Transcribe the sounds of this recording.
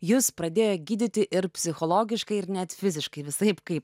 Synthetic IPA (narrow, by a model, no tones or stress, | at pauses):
jʊspɾɐd̪ʲeːjoːɡʲiːd̪ʲɪt̪ʲɪʔɪɾpʲsʲɪxolˠoːɡʲɪʃkɐɪɪɾnʲɛt̪fʲɪzʲɪʃkɐɪʋʲɪsɐɪpkɐɪp̚